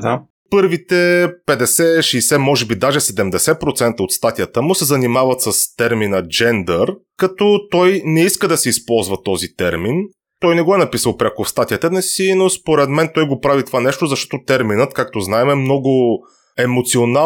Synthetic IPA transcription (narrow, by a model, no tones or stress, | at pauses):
d̪a | pɤɾvit̪ɛpɛd̪ɛsɛʃɛjsɛmɔʒɛbid̪aʒɛsɛd̪ɛmd̪ɛsɛpɾot̪sɛnt̪əot̪st̪at̪ijət̪əmʊsɛzɐnimavɐt̪səst̪ɛɾminəd͡ʒɛnd̪əɾkɐt̪ɔt̪ɔjnɛiskəd̪ɐsɛispɔlˠzvɐt̪ɔzit̪ɛɾmin | t̪ɔjnɛɡɔɛnɐpisəlˠpɾʲakofst̪at̪ijət̪ənɛsinospoɾɛd̪mɛnt̪ɔjɡopɾavit̪ovanɛʃt̪ozɐʃt̪ɔ̥t̪ot̪ɛɾminət̪kak̚t̪oznaɛmɛmnɔɡʊ | ɛmot̪siona